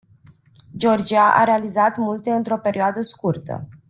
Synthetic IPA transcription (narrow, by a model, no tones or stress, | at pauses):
d͡ʒo̞rd͡ʒiaʔa̰ɾe̞alizat̪mult̪e̞ɨnt̪ɾo̞pe̞ɾʔioad̪əskurt̪ə̰